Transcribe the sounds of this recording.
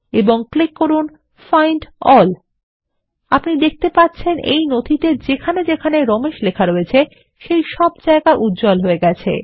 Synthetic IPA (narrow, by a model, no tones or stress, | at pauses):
eboŋklikːoɾun | fajɳɖɔl | apnid̪ek̚ʰt̪epatːɕʰenʔḛjnod̪ʱit̪ed͡ʑekʰaned͡ʑekʰaneɾɔmeʃlekʰaɾoet͡ɕʰe | ʃejʃɔbd͡ʑaeɡaʔut̪̚ːd͡ʑɔlɦoeɡɛt͡ɕʰḛ